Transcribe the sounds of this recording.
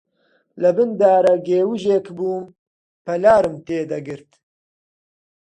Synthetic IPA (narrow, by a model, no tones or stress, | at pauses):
lɨbɨnd̪aːɾɐɡeːwiʒeːkbuːm | pɐlaːɾɨmt̪eːd̪ɐɡɨɾt̪